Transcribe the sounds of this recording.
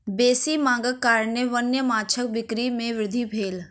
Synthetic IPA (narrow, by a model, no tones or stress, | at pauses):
beːsimãːŋɡəkːaːɾnjeʋənjəmaːt͡ʃʰək̚bɪkɾimẽʋɪɾɪd̪ʱibʱeːl